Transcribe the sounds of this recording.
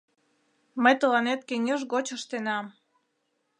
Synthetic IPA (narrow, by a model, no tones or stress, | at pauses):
məjt̪əlɑnet̪̚keŋʲəʒɣot͡ɕəʃt̪enɑm